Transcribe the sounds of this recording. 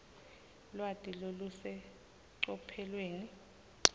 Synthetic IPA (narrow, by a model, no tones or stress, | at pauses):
lwatʼilolusɛ | ǀɔpʰɛlweːni